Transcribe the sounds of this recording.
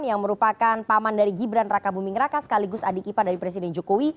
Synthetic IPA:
njaŋməɾupakanpamandaɾiɡibɾanrakabumɪŋrakasə̥kaliɡʊsadikipadaɾipɾes̬idɛnd͡ʒokowi

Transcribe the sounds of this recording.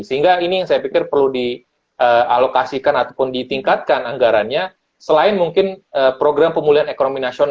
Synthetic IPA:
səɦiŋɡainijaŋsajapikɪrpərludi | ʔəalokasikanat̪apʊndit̪iŋkat̪̚kanaŋɡaɾanɲa | səlaɪnmuŋkɪnəpɾoɡɾampəmuliɦanekonominasion

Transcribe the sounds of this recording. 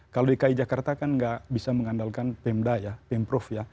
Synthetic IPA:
kaloikaid͡ʒakart̪akanŋɡaʔbisaməŋandalkanpɛmdajapɛmpɾɔfja

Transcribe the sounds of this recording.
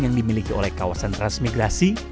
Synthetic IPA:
jaŋdimilikiolɛhkawasanrasmiɡɾasi

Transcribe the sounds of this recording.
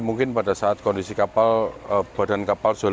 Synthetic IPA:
muŋkɪnpadasaat̪̚kɔndisikapaləb̥a̤da̤nkapalsol

